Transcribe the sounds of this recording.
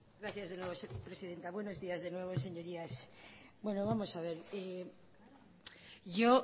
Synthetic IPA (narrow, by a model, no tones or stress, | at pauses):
ɡɾaθjazðenwe̞β̞osepɾe̞siðe̞nt̪aβwe̞no̞zðiazðe̞nwe̞β̞o̞se̞ɲo̞ɾiasbwe̞noβamo̞saβ̞e̞ɾe | ʝo